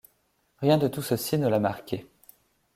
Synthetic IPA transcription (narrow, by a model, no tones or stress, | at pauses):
ʁjɛ̃d̪ət̪usəsinəlamaʁkʲʰe